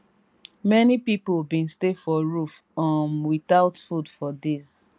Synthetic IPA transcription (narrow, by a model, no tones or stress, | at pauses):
mɛnipipolbĩnstefɔɹuf | ãmwiθaʊtfudfɔdiz